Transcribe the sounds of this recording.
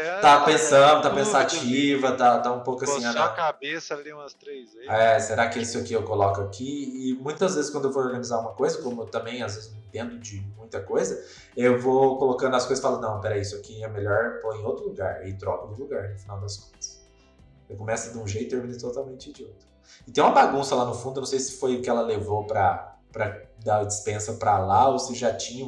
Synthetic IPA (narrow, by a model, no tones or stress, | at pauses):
t̪apẽsɐ̃d̪ʊt̪apẽsat͡ʃivɐt̪at̪aũpowkʊasĩankabesɐ̃st̪ɾezɛseɾakɪesɪʊkɪewkolɔkʊakʰiɪmũj̃t̪ɐazvezɪskwɐ̃d̪ewvooɾɡɐnizaɾũmɐkojzɐkõmʊewt̪ɐ̃mbẽj̃azvezɪzñĩt̪ẽnd̪ʊd͡ʒɪmũj̃t̪ɐkojzɐ | ewvokolokɐ̃nd̪ʊɐskojzɐskɪfalʊnɐ̃w̃pɛɾɐisʊakiɛmeʎɔɾpõẽj̃owt̪ɾʊluɡaɾɪt̪ɾɔkʊd̪ʊluɡaɾnʊfinawd̪ɐskõ̥nt̪ɐ̥s | ewkõmɛsʊd̪ɪũʒejt̪ʊt̪eɾmĩnet̪ot̪awmẽnt͡ʃɪd͡ʒɪowt̪ɾʊ | ɪt̪ẽj̃ũmɐbaɡũsɐlanʊfũd̪ʊnɐ̃sejsɪ̥fojʊkɪɛlɐlevopɾɐ | pɾɐd̪ad͡ʒɪspẽsɐpɾɐlaosɪʒat͡ʃĩɲɐ